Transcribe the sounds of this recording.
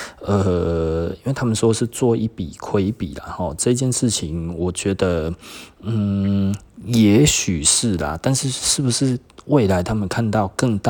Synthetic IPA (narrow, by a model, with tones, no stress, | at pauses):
ə˨˩i˥nwe˥˩t̪ʰa˥mə˨nʂwʂɻ̩˥˧t͡swɔ˥˧i˥˩pḭ˨˩kʰwe˧˦ɪpi˨˩la̰˨˩xɔ˥˩ʈ͡ʂɤ˥˧i˥t͡ɕjɛ˥˧nʂɻ̩˥˩t͡ɕʰi˨˦ŋwɔ˨˩t͡ɕɥɛ˧˥d̪ə˧ | n̩˨˩ | jɛ˨˥˦ɕy˨˩ʂɻ̩˥˩la̰˨t̪a˥˧nʂɻ̩˥˧ʂɻ̩˥˩bu˨˩ʂɻ̩˥˧we˥˩ɪla˨˧˦ɪt̪ʰa˥mə˨nkʰa˥˧nt̪ɑ˥˧˨ʊkə˥˧ŋt̪a˥˩